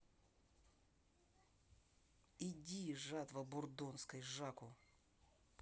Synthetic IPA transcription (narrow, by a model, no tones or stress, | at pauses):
idʲiʐat̪vəbʊrd̪onskəjʐakʊ